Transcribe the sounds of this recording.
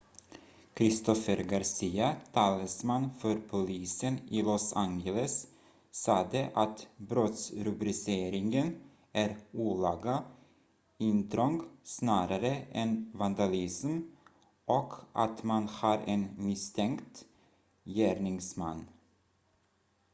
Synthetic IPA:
kʰɾɪst̪ɔfəɾɡaɾsiːat̪ʰɑːləsmanfœɾpʰʊliːsənɪːlɔsaŋɡɛləsː | ɑːd̪əʔat̪bɾot̪sɾɵbɾɪseːɾɪŋən | æɾuːlɑːɡa | ɪnt̪ɾɔŋɡsnɑːɾaɾəʔɛnvand̪alɪsm | ʔɔkʰʔa̰t̪manhɑːɾɛnmɪst̪ʰɛŋkt̪ | jæːɾɳɪŋsma̰nː

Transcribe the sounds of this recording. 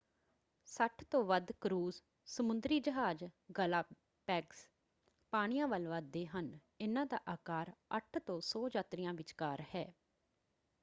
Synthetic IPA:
səʈʰt̪õːʋəd̪kɾuːz | səmʊ̃nd̪ɾiːd͡ʒəɦaːd͡ʒɡəlaː | pɛːks | paːɽ̃ɪjãːʋəlʋəd̪ːeːɦən | ɪnãːd̪a̰ːʔaːkaːɾəʈʰt̪õːsɔːd͡ʒaːt̪ɾɪjãːʋɪt͡ʃkaːɾhɛː

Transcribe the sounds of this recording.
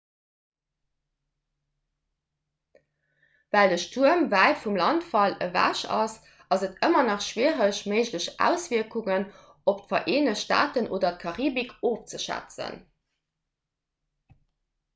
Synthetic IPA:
vældəʃtʰuəmvæɪfumlɑntfɑlə̰væ̰ʃɑs | ɑzətʰəmɐnɑχʃwiəʁəɕməɪʑləɕʔæ̰ʊsv̥iɐkuŋən | optfɐʔeːnəʃta̰ːtənʔoːdɐt̚kʰɑʁiːbikʰoːft͡səʃæ̰t͡sə̰n

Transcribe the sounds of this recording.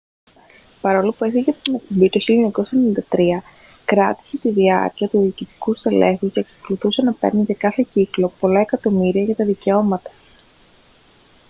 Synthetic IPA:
pɐɾo̞lopue̞θiʝet̪ine̞k̚p̪ombit̪oçilioɲɐko̞sɐenenind̪ɐt̪ɾiɐ | kɾɐt̪i̥se̞t̪iðiɐ̰ɾciɐt̪uðiːcit̪i̥kust̪e̞le̞xusceksɐ̥ko̞luθuse̞nɐpe̞̰ɾnit̪ekɐθe̞ciklo̞po̞lɐe̞kɐt̪o̞miɾiɐʝɐt̪ɐðice̞o̞mɐt̪ɐ̥

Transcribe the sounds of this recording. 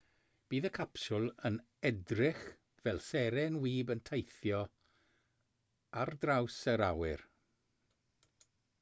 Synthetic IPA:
b̥iːðəkʰapsʊlˠən | ɛdrɪχ | vɛlˠsɛɾɛnwiːbəntʰejθjɔ | ardrawsəɾawɪr

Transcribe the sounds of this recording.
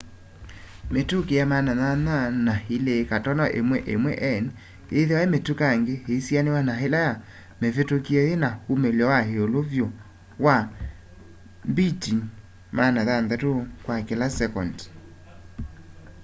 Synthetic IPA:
metukejamanaðananahilekatɔnɔʔḛmwɛʔemwɛ̰ʔɛn | eðewaemetukaŋɡeheisjanewanaɦelaja | mefetokiɛðenahumeljɔwaɦeolovjo | wa | mbitin | manaðandatokwakelasɛkɔndi̥

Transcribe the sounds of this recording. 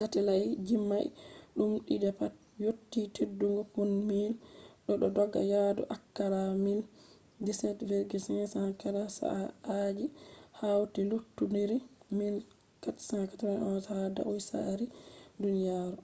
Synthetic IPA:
ɡatɛlajd͡ʒimːajɗumɗidɛpat̚ | jotːitʰedːuŋɡɔpunmilɗɔɗɔdɔɡːa̰jadɔ̰ʔakːaɾamin | disɛtveɾɡisɛsakaɾasa̰ʔaad͡ʒihawtilutːundiɾimin | katsãŋkatanʔɔnsada̰ʔujsa̰ɾidunijaɾu

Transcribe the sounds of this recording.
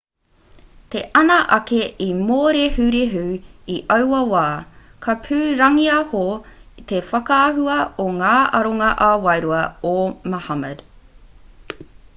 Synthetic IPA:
t̪e̞ʔɐnɐʔɐkeʔimoːɾehʉɾeɦʉːiʔɐwwɐwaːkʰɐpʰʉːɾɐŋiɐhot̪efɐkɐɐɦuɐoŋaːʔɐɾoŋɐʔawɐjɾuɐomɐhɐməd̥

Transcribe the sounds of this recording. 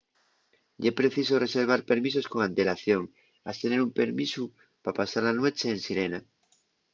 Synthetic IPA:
epɾe̞θisore̞seɾβ̞aɾpe̞ɾmiso̞sko̞ŋãnt̪e̞laθjo̞ŋ | a̰st̪e̞neɾumpe̞ɾmisu | papasaɾanwe̞t͡ʃeːnsiɾe̞na

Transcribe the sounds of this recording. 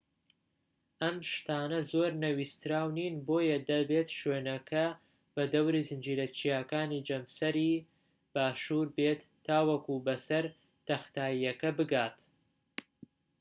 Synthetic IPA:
ʔɐmʃt̪aːnɐzoːɾnɐwiːst̪ɾaːwniːnboːjɐd̪ɐbeːt̪ʃweːnɐkʰɐ | b̥ɐd̪ɐwɾiːzɨnd͡ʒiːɾɐt͡ʃijaːkaːnid͡ʒɐmsɐɾiː | b̥aːʃuːɾbeːt̪ːaːwɐkuːbɐsɐɾ | t̪ɐxt̪aːjijɐkɐbɨɡaːt̪

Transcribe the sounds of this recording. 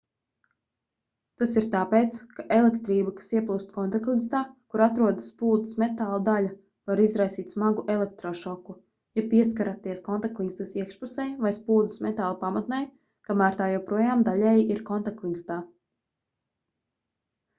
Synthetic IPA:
t̪asiɾt̪aːpeːt̪skaʔelˠekt̪ɾiːbakḁsiɛplˠuːst̪kɔnt̪aklˠinst̪aːkuɾat̪ɾuɔd̪asːpuːd̪ismɛt̪aːlˠad̪alʲa | vaɾizɾajsiːt̪ʲsmaɡuʔɛlˠɛk̚t̪ɾɔʃɔku | japiɛs̬kaɾat̪ːiɛskɔnt̪aklˠinst̪asiɛkʃpusɛjvajspuːd̪zismɛt̪aːlˠapamat̪nɛj | kamaːɾt̪aːjɛwpɾuɔjaːmd̪aʎɛjiiɾkɔnt̪aklˠinst̪aː

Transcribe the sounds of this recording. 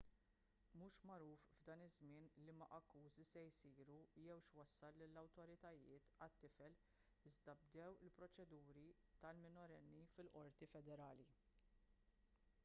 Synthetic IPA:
muːʃmɐɾuːfvd̪ɐːnɪzmɪːnlimɐʔɐkːuːzisɛjsiːɾujɛwʃwɐsːɐlːɪlːɐwt̪ɔɾɪt̪ɐjɪːt̪ɐt̪ːɪfɛl | ɪzd̪ɐb̚d̪ɛwɪlpɾɔt͡ʃɛd̪uːɾit̪ɐlmɪnɔɾɛnːifɪlʔɔɾt̪ifɛd̪ɛɾɐːli

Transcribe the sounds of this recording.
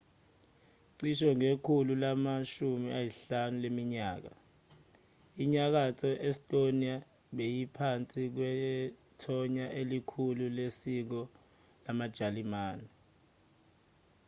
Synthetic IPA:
ǀiʃɔŋekʰululamaʃumiajiɬanulemiɲaːk̬a̰ | iɲak̬atʰɔʔɛstʼonia | ɓejipʰant͡sʼik̬wɛtʰɔɲaʔelikʰululesik̬ɔ | lamad̥ʒ̥ʱalimaːnɛ

